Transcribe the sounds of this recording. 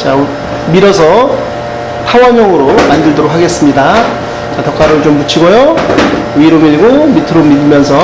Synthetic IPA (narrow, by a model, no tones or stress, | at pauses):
t͡ɕa | miɾʌs̬ʰʌ | tʰawaɲjʌŋɯɾomandɯɭdʌɾokʰaɡe̞s͈ɯmɲida | t͡ɕatʌk͈aɾɯɭt͡ɕomput͡ɕʰiɡojo | ɥiɾomiɡomitʰɯɾomidɯmjʌnsʰʌ